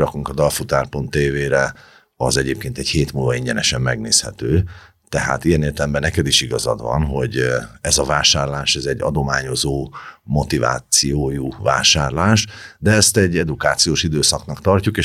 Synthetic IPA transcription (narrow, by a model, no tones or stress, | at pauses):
ɾɒkuŋkɒd̪ɒlfut̪aːrpont̪ːeːveːɾɛ | ɒzɛɟeːp̚keːnt̪ɛɟheːt̪mulvɒiɲɟɛnɛʃɛmːɛɡneːshɛt̪øː | t̪ɛɦa̰ːt̪ijɛneːrt̪ɛlɛmbɛnːɛkɛd̪iʃiɡɒzɒ̰d̪vɒ̰nɦo̞ɟɛzɒvaːʃaːrlaːʃɛzɛɟːɒ̰d̪o̞maːɲo̞zoːmo̞t̪iva̰ːt̪sijoːjuva̰ːʃaːrlaːʃd̪ɛɛst̪ɛɟːɛd̪ukaːt̪sijoːʃid̪øːsɒknɒkt̪ɒrcukeː